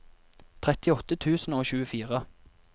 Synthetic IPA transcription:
t̪ʰʁɛt̪ɪɔt̪ət̪ʰʉːsn̩oːçʉːəfiːʁə

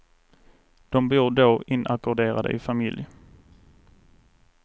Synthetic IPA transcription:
d̪̥ɔmbuːɾɖ̪oːɪnːʔakʊɖeːɾad̪ə̰ʔɪfamɪlj

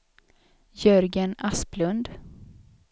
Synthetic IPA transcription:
jœɾɡənasplɵnd̪

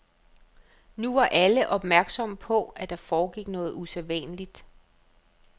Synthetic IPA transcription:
nuʋɑ̈ʔæləʔɒ̽b̥mæɐɡ̥sɒ̽m̰pʰɒ̽æd̥ɑ̈fɒːɡ̥iɡ̥nɔ̽ːð̞̩ˠuseʋɛ̰ːnəlid̥

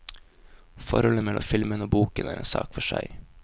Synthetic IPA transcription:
fɔɾhɔləmɛlɔ̰mfɪlmənoːbuːkənæːɾḛːnsɑ̰ːkfɔʃæɪ

